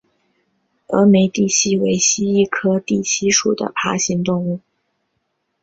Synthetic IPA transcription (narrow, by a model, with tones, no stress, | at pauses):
ɤ̰˧˥me˧˥ɪt̪i˥˩ɕʰi˥we˧˥ɪɕi˥i˥˩kʰɤ˥t̪i˥˩ɕʰi˥ʂu˨˩d̪ə̰˦pʰa̰˧˥ɕi˧˥ŋt̪ʊ˥˧ŋu˥˩